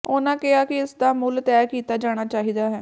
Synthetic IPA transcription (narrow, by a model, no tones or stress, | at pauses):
oːnãːkɪaːkɪɪsd̪aːmʊlt̪ɛːkiːt̪aːd͡ʒaːɽ̃aːt͡ʃaːɦiːd̪aːɦɛː